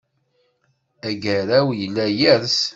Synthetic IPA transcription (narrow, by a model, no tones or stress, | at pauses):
æɡæɾæwjəlːæjæɾs